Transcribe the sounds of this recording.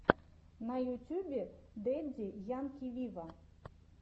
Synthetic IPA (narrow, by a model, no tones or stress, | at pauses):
nɐjʊtʲubʲid̪ɛdʲijankʲiʋʲiʋɐ